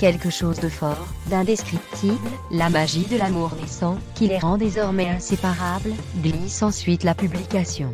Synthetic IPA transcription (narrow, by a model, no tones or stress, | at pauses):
kʲɛlkəʃozd̪əfɔʁd̪ɛ̃d̪eskχip̚t̪ʰibl | lamaʒid̪əlamuʁnesɑ̃kʲileʁɑ̃d̪ezɔʁmɛɛ̃sepaʁabl | ɡlisɑ̃sɥit̪lapyblikasjɔ̃